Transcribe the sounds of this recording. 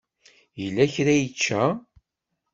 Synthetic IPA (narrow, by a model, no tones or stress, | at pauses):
jəlːæçɾæjət͡ʃːæ